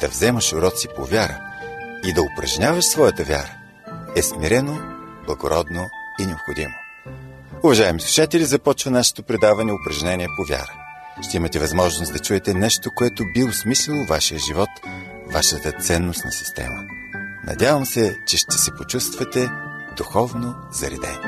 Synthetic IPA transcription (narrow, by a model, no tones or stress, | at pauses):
d̪̥ɐvzɛməʃʊɾɔt̪sipo̰vʲjaɾə̰id̪ɐʊpɾɐ̰ʒnʲavɐʃsvɔjət̪əvʲja̰ɾə | ɛsmiɾɛnoblˠɐɡoɾɔd̪noinɛopxod̪imo | ʊvɐʒaɛmisˠuʃat̪ɛlʲizɐpɔt͡ʃvɐnaʃɛ̥t̪opɾɛd̪avɐnɛʊpɾɐʒnɛniɛpovʲja̰ɾə | ʃt̪ɛimɐt̪ɛvɐzmɔʒnosd̪ɐt͡ʃuɛt̪ɛnɛʃt̪okoɛt̪obiʊsmislʲɛlˠovaʃijəʒivɔt̪ | vaʃət̪ət̪sɛnːost̪nɐsi̥st̪ɛ̰mə̰ | nʔɐ̰d̪ʲavɐmsɛt͡ʃɛʃt̪ɛ̥sɛpot͡ʃust̪vɐt̪ɛ | d̪uxɔvno | zɐɾḭd̪ɛ̰n